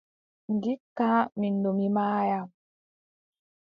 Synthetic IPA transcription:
ŋ̩ɡikːamin̩domimaːja

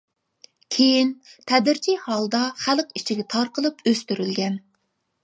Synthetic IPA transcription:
kʲʰejint̪ʰɛd̪ɪɾt͡ʃʰihɑlˠd̪ɑχælqit͡ʃʰiɡʲɛt̪ʰɑɾqəlˠɨpøst̪yɾylɡʲɛn

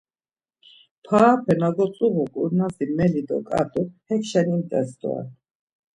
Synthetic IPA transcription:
pʰaːpʰɛnaɡɔt͡sʼuʁukʼuɾnazimɛlid̪ɔ̰kʼa̰t̪uhɛkʃɛnimt̪ʼɛsd̪ɔ̰a̰n

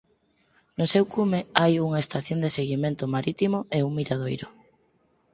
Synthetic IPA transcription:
nʊsewkumeajuŋaest̪aθjond̪eseɣimẽnt̪ʊmaɾit̪imoʔeuŋmiɾað̞ojɾʊ

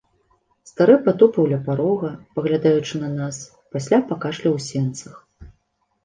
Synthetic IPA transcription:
st̪aɾɨpat̪ɔpɐwlʲɛpaɾɔɣɐpɐɣlʲad̪ajut͡ʂɨnɐnas | pasʲlʲapakaʂlʲiwsʲɛnt̪sɐx

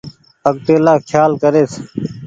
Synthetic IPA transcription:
ək̚t̪eːlaːkʰjaːlkəɾeːs

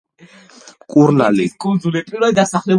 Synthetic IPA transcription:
kʼuɾna̰likʼɔnzulɛt̪ʼuɾad̪d̪asaχlɛ

